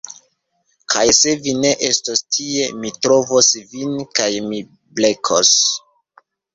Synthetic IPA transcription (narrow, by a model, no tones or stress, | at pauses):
kʰajse̞vine̞ʔe̞stostʰie̞mitɾo̞vosvinkajmi | ble̞kʰos